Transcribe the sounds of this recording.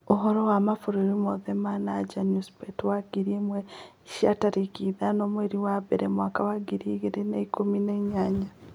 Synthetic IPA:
oɦoɾowamafuɾiɾimoðemanad͡ʒanuspetwaɡiɾimwe | ʃiataɾikiðanoːmweɾiwaβeɾemwaːkawaɡiɾiɣiɾeneikumineɲaːɲa

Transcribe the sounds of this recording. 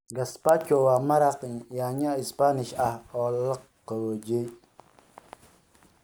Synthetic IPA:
ɡaspakowamaɾaqɲjaɲaispaniʃaɔləkː | əwod͡ʒe

